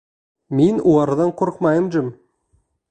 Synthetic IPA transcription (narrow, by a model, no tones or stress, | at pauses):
menuɑɾd̪ɑɴqʰʊɾqmɑjəmd͡ʒɪm